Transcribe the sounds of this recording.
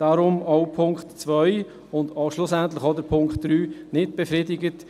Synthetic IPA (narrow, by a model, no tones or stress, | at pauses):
d̥aɾʊmɔʊpʰʊŋkχtt͡sʋœʏ | ʊndɔʃlʊsæntlɪχɔdəɾpʰʊŋkχtd̥ɾyːnɪt̚b̥efɾɪdɪɡət